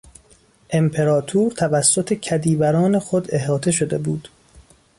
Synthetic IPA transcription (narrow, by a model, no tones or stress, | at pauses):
ʔe̞mpʰe̞ɾɒːt̪ʰuːɾt̪ʰævæsːot̪ʰecʰæd̪iːbæɾɒːne̞xod̪e̞ɦɒːt̪ʰe̞ʃo̞d̪e̞̰buːd̪̥